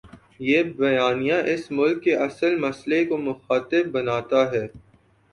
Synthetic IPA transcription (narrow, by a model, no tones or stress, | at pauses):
jeːbɐjaːnijãʔɪsmʊlkːeʔɐsəlmɐslekomʊxaːt̪ɪbbɐnaːt̪aɦɛː